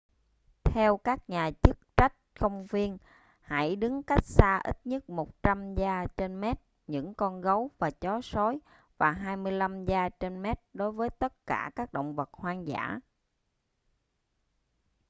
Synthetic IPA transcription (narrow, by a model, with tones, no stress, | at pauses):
t̪ʰɛ˧wkaː˦˥k̚ɲaː˨˩t͡ɕɨ˦˥k̚t͡ɕa˦˥jk̟̚xə˧wŋ͡mvi˧ən | ha̰˧˩jɗɨ˨˦ŋka˦˥jk̚saː˧ʔḭ˦˥t̚ɲə˦˥t̚mo˨˩t̚t͡ɕa˧mzaː˧t͡ɕe˧nmɛ˦˥t̚ | ɲɨ̰˧˥ŋkɔ˧nɣə˨˦wvaː˨˩t͡ɕɔ˨˦so˨˦j | vaː˨˩ɦaː˧jmɨ˧əjla˧mzaː˧t͡ɕe˧nmɛ˦˥t̚ɗo˨˦jvəː˨˦jt̪ə˦˥t̚ka̰ː˧˩kaː˦˥k̚ɗo̰˧˨wŋ͡mvə˨˩t̚hwaː˧ŋza̰ː˧˥